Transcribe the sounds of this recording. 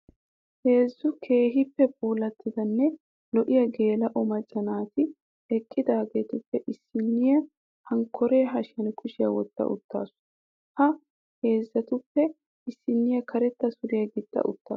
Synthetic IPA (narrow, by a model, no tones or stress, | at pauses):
he̞ːzːʊkʰe̞ːɦɪpːɛb̚uːlɐt̪ːɪd̪ɐnːɛ | lɔʔɪjɐɡe̞ːlɐʔɔmɐt͡ʃʼːɐnaːt̪ɪ | ɛkʼːɪd̪aːɡeːt̪ʊpːɛʔɪsːɪnːɪjɐ | hɐŋkʰːɔɾe̞ːɦɐʃɐnkʰʊʃɪjɐ̰wɔ̰t̪ːɐ̰ʔʊ̰t̪ːa̰ːsʊ̥ | hɐ | he̞ːzːɐt̪ʊpːɛ | ɪsːɪnːɪjɐkʰɐɾɛt̪ːɐsʊɾɪjɐɡɪt̪ʼːɐ̰ʔʊ̰t̪ːa̰ː